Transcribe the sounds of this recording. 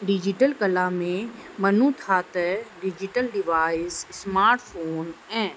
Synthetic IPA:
ɖid͡ʒiʈəlkɐlamẽmɐnũt̪ʰaːt̪ɛɖid͡ʒiʈəlɖiʋaːɪssmaːɾʈpʰoːnɛ̃ː

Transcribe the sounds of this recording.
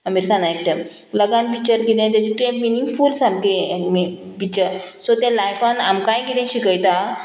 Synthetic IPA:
əmeɾikanaek̚ʈəm | ləɡãnpit͡ɕəɾkid̪ẽt̪̬at͡ɕiʈɾẽpminiŋɡfuːlsamkeipit͡ɕəɾsot̪jalajfanamkajkid̪ẽɕikəjt̪a

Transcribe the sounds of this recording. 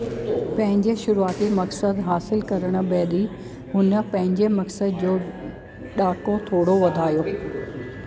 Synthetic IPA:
pɐ̃ɦɪ̃ɲd͡ʑeʃʊɾuaːt̪imɐksəd̪ɦaːsɪlkɐɾəɽ̃ʊ̆bɛːɗ̪i | ɦʊnə̆pɐ̃ɦɪ̃ɲd͡ʑemɐksəd̪d͡ʑoː | ɗaːkot̪ʰoːɽoʋɐd̪ʱaːjoː

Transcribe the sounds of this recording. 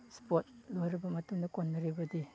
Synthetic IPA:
spot̚lojɾɐbɐmɐtuŋdɐkonːɐɾibɐdi

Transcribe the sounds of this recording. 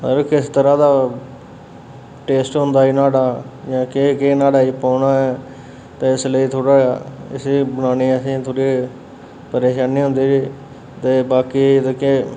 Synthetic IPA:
əɾkɪst̪əɾãːd̪aː | ʈeːsʈɦʊ̃nd̪aːiːnaːɽaːd͡ʒãːkekeːnaːɽaːiːpaːnaːɛː | t̪eːɪsləiːt̪ʰoːɽaːɪ̰siːbənaːniːəsĩːt̪ʰoːɽeː | pəɾeːʃaːniːɦʊ̃nd̪eːʋiː | t̪eːbaːkiːt̪ekeː

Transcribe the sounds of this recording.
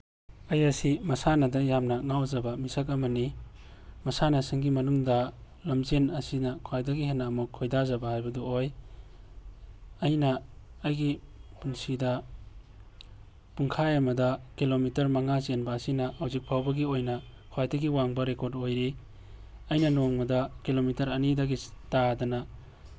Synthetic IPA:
ɐjɐsimɐsanɐdɐjamnɐŋawzɐbɐmisak̬ɐmɐni | mɐsanɐsiŋɡimɐnuŋdɐ | lɐmzenɐsinɐkʰwajdɐɡiɦenːaːmukʰːojdazɐbɐhajbɐduoj | ɐjnɐːjɡipunsidɐ | puŋkʰajamɐdɐkilomitɐɾmɐŋazenbɐːsinɐʔawzik̚pʰawbɐɡiojnɐ | kʰwajdɐɡiwaŋbɐɾekoɾdojɾi | ɐjnɐnoŋmɐdɐkilomitɐɾɐnidɐɡitadɐnɐ

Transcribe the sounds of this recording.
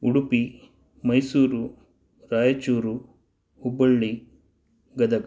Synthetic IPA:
uɽupi | mɐjsuːɾu | ɾaːjɐt͡ʃuːɾu | ubɐɭːi | ɡɐd̪ɐɡ

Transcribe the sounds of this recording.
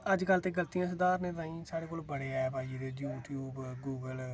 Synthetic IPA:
əd͡ʒkəlt̪eːɡəlt̪ijãːs̬əd̪aːɾneːt̪ãːĩːsaːɽeːkoːlbəɽeːɛːpaːid̪eːjuːʈʰjuːbɡuːɡəl

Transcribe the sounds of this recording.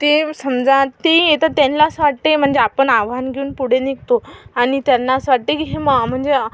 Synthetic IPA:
t̪esəmd͡zãt̪iet̪at̪anlasʋaʈem̤əɳd͡zeapəɳaʋanɡʱeuːnpuɽ̤enikt̪oaɽ̃it̪janːasʋaʈːikiɦeməɡm̤əɳd͡ze

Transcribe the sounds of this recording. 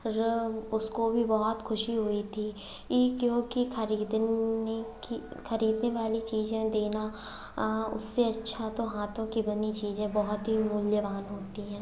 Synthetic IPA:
ɾʊskobʱibɔɦɔt̪xʰʊʃiɦoit̪ʰi | jekjõːkixəɾiːd̪ | ixɐɾiːd̪neʋaːlit͡ʃiːzẽd̪eːna | ʊ̰sːeɐtːʃʰat̪oɦaːt̪ʰõkibɐnit͡ʃiːzẽbɐɦʊt̪ɦimʊljəʋaːnɦoːt̪iɦɛ̃ː

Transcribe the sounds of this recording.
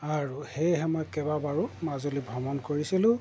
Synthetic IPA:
aɹuhejɦɛmɔjkɛbabaɹumazolibʱɔmɔnkoɹisilʊ̃

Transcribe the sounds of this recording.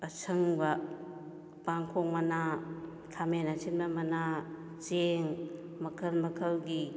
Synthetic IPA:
ɐsʰɯŋbɐ | paŋkʰoŋ̚mɐna | tʰamenat͡ʃʰinmɐmɐna | t͡ʃeŋ | mɐkʰɐlmɐkʰəlɡi

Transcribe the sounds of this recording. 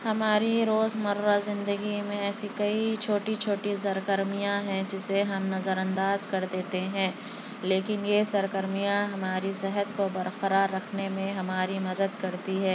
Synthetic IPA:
hɐmaːɾiɾoːzmɐɾːazɪ̃nd̪əɡimẽɛːsikɐit͡ʃʰoːʈit͡ʃʰoːʈis̬ɐɾkəɾmijãɦɛ̃d͡ʒɪseɦɐmnɐzəɾɐ̃nd̪aːzkɐɾd̪eːt̪eɦɛ̃ː | leːkɪnjesɐɾkəɾmijãɦɐmaːɾisɛɦət̪kobɐɾqɐɾaːɾːɐkʰnemẽɦɐmaːɾimɐd̪əd̪̚kɐɾt̪iɦɛː

